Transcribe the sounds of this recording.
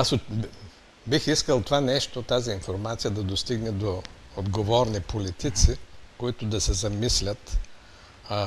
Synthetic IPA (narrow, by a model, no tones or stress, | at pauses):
aso | bixiskəlˠt̪ovanɛʃt̪ot̪aziːnfoɾmat̪sijɐd̪ɐd̪ost̪iɡnɛd̪o | od̪ɡovɔɾnipolit̪it̪sikoit̪ʊd̪ɐsɛzɐmislʲət̪